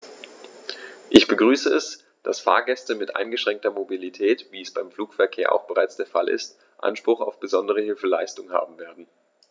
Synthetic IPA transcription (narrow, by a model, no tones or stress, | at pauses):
ʔɪçb̥əɡʁyːsəɛs | d̥asfa̰ːɐɡɛstəmɪtʔa̰ɪnɡəʃʁ̥ɛŋk̚tɐmobilitʰɛːtv̥iːɛsb̥aɪmfluːkfɛɐkʰeːɐʔa̰ʊxb̥əʁaɪt͡sd̥eːɐfa̰lʔɪ̰st | ʔa̰nʃpʁ̥ʊχa̰ʊfb̥əzɔndəʁ̞əhɪlfəlaɪstʊŋha̰ːbm̩veːɐdn̩